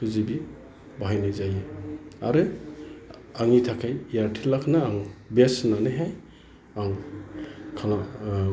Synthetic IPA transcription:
kʰɯzibi | baɦajnɯjzajɯaɾɯ | aŋitʰakʰajjaɾtʰilakʰnaːŋbesnanɯjɦaj | aŋ | kʰala

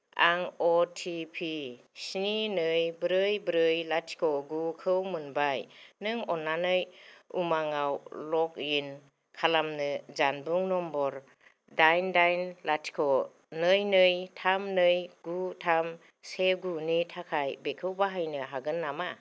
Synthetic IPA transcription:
a̰ŋɔtʰipʰi | sininɯjbɾɯjbɾɯjlatʰi̥kʰɔɡukʰɯwmɯnbajnɯŋɔnːanɯjṵmaŋawlɔk̚in | kʰalamnɯzanbuŋnɔmbɔɾ | dajndajnlatʰi̥kʰɔ | nɯjnɯjtʰamnɯjɡutʰam | seɡunitʰakʰajbekʰɯwbaɦajnɯɦaɡɯnːama

